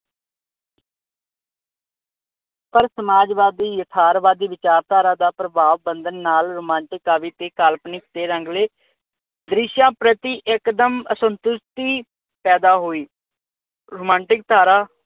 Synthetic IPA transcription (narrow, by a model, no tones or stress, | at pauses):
pəɾsəmaːd͡ʒʋaːd̪iːjət̪ʰaːɾʋaːd̪iːʋɪt͡ʃaːɾt̪aːɾãːd̪aːpɾəbaːʋbənd̪ənːaːlɾoːmãːɳʈɪkaːʋiːt̪eːkalpnɪkt̪eːɾəŋɡleː | d̪ɾɪʃãːpɾət̪iːʔɪkd̪əməsənt̪ʊst̪iː | pɛːd̪aːɦoːiː | ɾoːmãːɳʈɪk̚t̪aːɾaː